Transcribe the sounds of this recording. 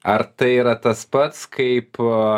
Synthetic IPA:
ɐɾt̪ɐɪiɾɐt̪ɐspɐt̪skɐɪp

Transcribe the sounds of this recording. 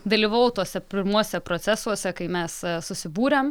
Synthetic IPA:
d̪ɐlʲiːʋɐʊt̪uɔsʲɛpʲɪɾmuɔsʲɛpɾot̪sʲæsuɔsʲɛkɐɪmʲɛssʊsʲɪbuːɾʲɛm

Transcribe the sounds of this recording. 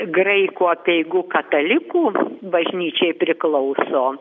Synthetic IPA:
ɡrɐɪkuːɐpʲɛɪɡuːkɐt̪ɐlʲɪkuːbɐʒʲnʲiːt͡ʃʲɛɪpʲɾʲɪklˠɐʊsoː

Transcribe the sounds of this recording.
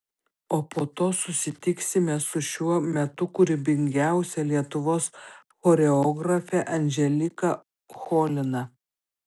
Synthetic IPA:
oːpoːt̪oːsʊsʲɪt̪ʲɪksʲɪmʲɛsʊʃʲuɔmʲɛt̪ʊkʊɾʲɪbʲɪŋʲɡʲæˑʊsʲɛlʲiɛt̪ʊʋoːs | xoːɾʲɛoːɡɾɐfʲɛʔɐnʲʒʲɛlʲɪkɐ | xoːlʲɪnɐ

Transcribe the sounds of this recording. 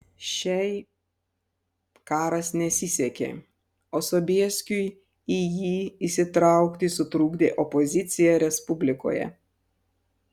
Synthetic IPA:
ʃʲɛɪ | kɑːɾɐsnʲɛsʲɪsʲɛkʲḛː | oːsɔbʲiɛsʲkʲʊj | ijiːisʲɪt̪ɾɑˑʊkt̪ʲɪsʊt̪ɾuːɡd̪ʲeːʔɔpɔzʲɪt̪sʲɪjɛɾʲɛspʊbʲlʲɪko̰ːjɛ̰

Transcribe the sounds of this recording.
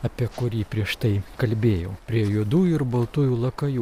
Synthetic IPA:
ɐpʲiɛkʊɾʲiːpʲɾʲiɛʃt̪ɐɪkɐlʲbʲeːjɛʊpʲɾʲiɛjʊd̪uːjʊɪɾbɐlˠt̪ʊjuːlˠɐkɐjuː

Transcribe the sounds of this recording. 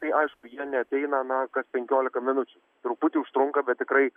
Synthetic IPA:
t̪ɐɪʔɐɪʃkʊjiɛnʲɛɐt̪ʲɛɪnɐnɐkɐspʲɛŋʲkʲoːlʲɪkɐmʲɪnʊt͡ʃʲʊ | t̪ɾʊpʊt̪ʲɪʊʃt̪ɾʊŋkɐbʲɛt̪̚ʲtʲɪkɾɐɪ

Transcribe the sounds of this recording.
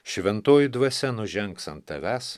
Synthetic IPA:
ʃʲʋʲɛnt̪oːjʊd̪ʋɐsʲɛnʊʒʲɛŋksɐnt̪ːɐʋʲæs

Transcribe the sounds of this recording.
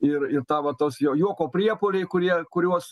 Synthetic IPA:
ɪrɪrt̪ɑːʋɐt̪oːsjoːjuɔkoːpʲrʲiɛpoːlʲɛɪkʊɾʲiɛkʊɾʲuɔs

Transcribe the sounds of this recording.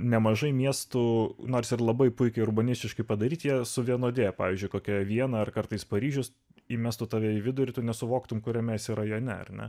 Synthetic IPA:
nʲɛmɐʒɐɪmʲiɛst̪ʊnoːrsɪrlˠɐbɐɪpʊɪkʲɛɪʊrbɐnʲɪsʲtʲɪʃkɐɪpɐd̪ɐɾʲiːt̪jiɛsʊʋʲiɛnoːd̪ʲeːpɑːʋʲiːzʲd͡ʒʲʊɪkoːkʲɛʋʲiɛnɑɐrkɐrt̪ɐɪspɐɾʲiːʒʲʊs | imʲɛst̪ʊt̪ɑːʋʲiɛɪʋʲɪd̪ʊɾʲɪt̪ʊnʲɛsʊʋoːkt̪ʊmkʊɾʲɛmʲɛsiɾɐjonʲɛɐ̰rnʲɛ̰

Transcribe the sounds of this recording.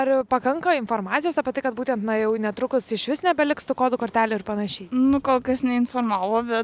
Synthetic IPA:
ɐrpɐkɐŋkɐɪnfoːɾmɑːtt͡sʲsʲɪjoːsɑːpʲɛt̪ɐɪkɐt̪buːt̪ʲɛnt̪nɐjɛʊnʲɛt̪ɾʊkʊsɪʃʋʲɪsnʲɛbʲɛlʲɪkst̪ʊkoːd̪ʊkoːɾʲt̪ʲæːlʲʊɪɾpɐnɐʃʲɛɪnʊkoːlˠkɐsnʲɛɪnfoːrmɑːʋoːbʲɛt̪

